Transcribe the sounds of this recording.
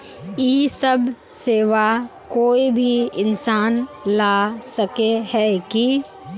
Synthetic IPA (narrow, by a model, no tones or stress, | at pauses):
jiːsɐb | seːʋakoːibʱiɪnsaːnlaːsɐkeɦɛːki